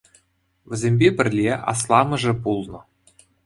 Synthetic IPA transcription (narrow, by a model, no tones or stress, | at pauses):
vʲɘ̆zʲemʲbʲebʲɘ̆rʲlʲeɑ̰s̬lˠɑmɤ̆ʐɘ̆bulˠnɤ̆